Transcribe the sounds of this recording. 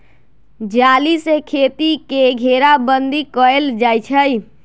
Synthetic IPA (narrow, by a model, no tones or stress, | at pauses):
d͡ʒalisekʰet̪ikeɡʱeɾabənd̪ikəeld͡ʒajt͡ʃʰəj